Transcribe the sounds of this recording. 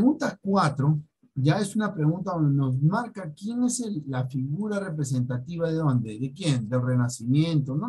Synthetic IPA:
ɣunt̪akwat̪ɾo̞ | ɟ͡ʝae̞sunapɾe̞ɣunt̪aðond̪eno̞z̬maɾkakje̞ne̞selːafiɣuɾare̞p̬ɾe̞s̬e̞nt̪at̪iβaðe̞ðo̞nd̪eðekje̞nd̪e̞lre̞nasimje̞nt̪ono

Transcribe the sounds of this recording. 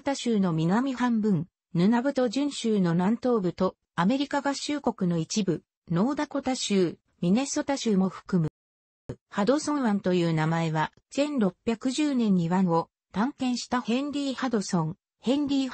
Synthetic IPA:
t̪aɕɨːno̞mʲinamʲihãmbɯ̟̃ŋ | nɯ̟nabɯ̟t̪o̞ʑɨ̃ɰ̃ɕɨːno̞nãnt̪o̞ːbɯ̟t̪o̞ | ame̞ɾʲikaɡaɕɨːko̞kɯ̟no̞it͡ɕibɯ̟ | no̞ːd̪ako̞t̪aɕɨː | mʲine̞so̞t̪aɕɨːmo̞ɸɯ̟̥kɯ̟mɯ̟ | had̪o̞sõ̞ɰ̃βãnt̪o̞jɯ̟ːnamae̞βa | sẽ̞nɾo̞pʲːjakɯ̟ʑɨːnẽ̞ɲ̟ːiβãɰo̞ | d̪̥ãŋkẽ̞ɰ̃ɕi̥t̪ahẽ̞nɾʲiːhad̪o̞sõ̞ŋ | hẽ̞nɾʲiː

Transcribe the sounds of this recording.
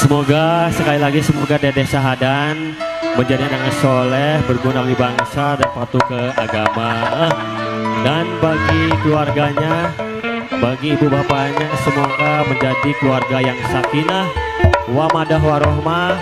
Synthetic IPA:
səmoɡasəkalilaɡisəmoɡadɛdesaɦadanməɲd͡ʒadianak̚ɲasolɛhbərɡunak̚dibaŋsadanpat̪ukəaɡamaəh | danbaɡikəluarɡaɲa | baɡiːbubapaɲasəmoɡaməɲd͡ʒadikluarɡajaŋsakinah | wamadaɦwaɾoɦma

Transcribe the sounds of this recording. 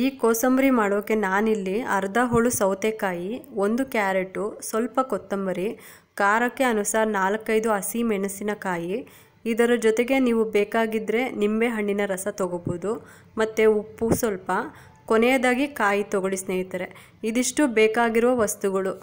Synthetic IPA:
iːkoːsɐmbɐɾimaːɽoːkːe̞naːnilːiɐɾd̪ɐɦoɭusɐwt̪ekaːjio̞nd̪ukjaːɾeʈːusʋɐlpɐkɔt̪ːɐmbɐɾi | kaːɾɐkːe̞ɐnusaːɾnaːlɐkːɐjd̪uɐsimɛnɐsinɐkaːjiː | d̪ɐɾɐd͡ʒɔt̪e̞ɡe̞niːʋubeːkaːɡid̪ɾe̞nimbe̞ɦɐɳːinɐɾɐsɐt̪ɔɡobod̪u | mɐt̪ːeupːusʋɐlpɐ | konejɐd̪aːɡikaːjit̪ɔɡoɭisneːjit̪ɐɾe̞ | id̪iʂʈubɛːkaːɡiɾuʋɐʋɐst̪uɡɐɭu

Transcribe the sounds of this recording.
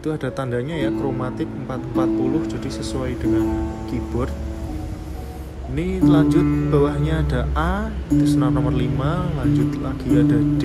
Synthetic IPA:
it̪uad̥a̤t̪andaɲajakɾomat̪ɪp̚əmpat̪əmpat̪̚pulʊhd͡ʒad̥ɪhsəsuaid̥əŋankib̥ʊr | inilaɲd͡ʒʊt̪̚b̥awahɲaːdaʔad̪isnanɔmərlimalaɲd͡ʒʊt̪laɡ̥iadad̥

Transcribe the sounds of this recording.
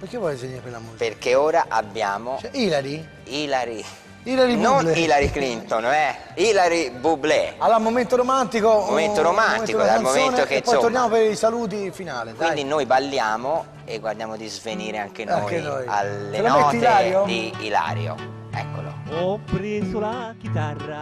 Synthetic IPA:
pekevwɔjzveniɾepelamoperkeoːɾaʔabːjaːmot͡ʃilaɾi | iːlaɾi | ilaɾinonilaɾiklint̪onɛilaɾibublealamoment̪oɾomant̪ikomoment̪oɾomannikod̪almomennt̪okeɔjoonjamopeɾisaluːt̪̬ifinaːlikkwind̪inojbalːjaːmo | eɡːward̪jaːmod̪izveniːɾeaŋk̟enaoŋːkenoja̰lːelaneɔːt̪laɾjod̪iḭla̰ːɾjo̰ | ɛ̰kːo̰lo̰ɔpɾeakit̪ara

